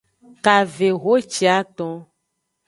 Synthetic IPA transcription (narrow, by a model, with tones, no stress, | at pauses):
ka˨ve˨ɣo˦t͡ʃi˨˦a˦t̪ɔ̃˦